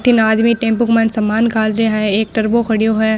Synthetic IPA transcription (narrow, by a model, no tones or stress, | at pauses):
t̪ʰɪnaːd͡ʒmiʈẽːmpʊkmɐnsɐmaːnkʰaːlɾeɦɛeːk̚ʈɐɾboxɐɽijoɦɛ